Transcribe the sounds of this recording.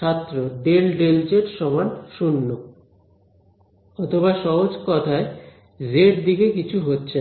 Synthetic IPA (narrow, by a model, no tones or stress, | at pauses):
at̪ːɾoɖelɖelt͡ɕeʈʃɔmanʃunːo | ɔt̪ʰoβaʃɔɦod͡ʑkɔt̪ʰae | zeʈd̪ikekit͡ɕʰuɦotːɕʰe